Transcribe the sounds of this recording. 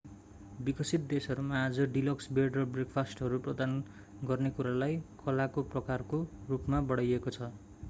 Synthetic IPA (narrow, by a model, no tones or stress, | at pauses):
bikʌsit̪̚d̪esʌɾumaːd͡zʌɖilʌksbeɖrʌbrekpʰasʈɦʌɾuprʌd̪an | ɡʌrnekuɾalajkʰʌlakoprʌkarkorupmabʌɽajekot͡sʰʌ